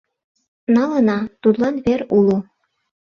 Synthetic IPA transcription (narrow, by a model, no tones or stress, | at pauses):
nɑlɤ̆nɑt̪ut̪lˠɑnβeɾulˠu